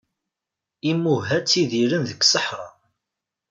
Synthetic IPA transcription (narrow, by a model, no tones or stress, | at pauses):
imːuɦæt͡sːiðiɾənðəkːsəħɾˤɑ̰